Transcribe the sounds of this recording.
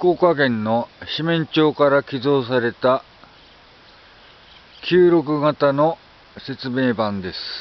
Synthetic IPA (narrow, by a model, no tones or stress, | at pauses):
koːkaɡẽ̞nːo̞ɕimẽ̞ɲt͡ɕo̞ːkaɾakʲizo̞ːs̬aɾe̞t̪a | kʲʰɨːɾo̞kɯ̟ɡat̪ano̞ | se̞t͡sɨme̞ːbãnd̪e̞sɨ̥